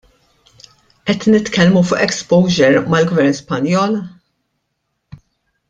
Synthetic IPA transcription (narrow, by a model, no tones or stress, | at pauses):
ʔɛt̪nɪt̪kɛlmufʊːʔɛkspɔwd͡ʒɛɾmɐlɡvɛɾnspɐnjɔːl